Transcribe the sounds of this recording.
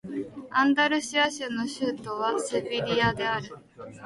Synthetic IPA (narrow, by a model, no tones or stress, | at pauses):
ãnd̪aɾɯ̟ɕiaɕɨnːo̞ɕɨːt̪o̞β̞asebʲiɾʲiad̪e̞aɾɯ̟